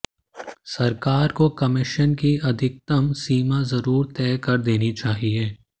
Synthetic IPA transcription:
sɐɾkaːɾkokɐmɪʃənkiɐd̪ʱɪk̚t̪ɐmsiːmazɐɾuːɾt̪ɛːkɐɾd̪eːnit͡ʃaːɦieː

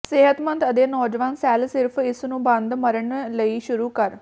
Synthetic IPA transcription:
sɪɦət̪mənd̪əd̪eːnɔːd͡ʒʋaːnsɛːlsɪɾpʰɪsnũːbə̃nd̪məɾəɳləiːʃʊɾuːkəɾ

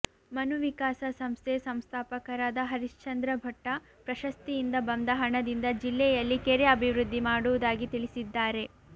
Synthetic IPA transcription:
mɐnuʋikaːsɐsɐmst̪ʰesɐmst̪ʰaːpɐkɐɾaːd̪ɐɦɐɾiʂt͡ʃɐnd̪ɾɐbʱɐʈːɐ | pɾɐʃɐst̪ijind̪ɐbɐnd̪ɐɦɐɳɐd̪ind̪ɐd͡ʒilːɛjɐlːikɛɾeɐbʱiʋɾud̪ʱːimaːɽuʋud̪aːɡit̪iɭisid̪ːaːɾe̞

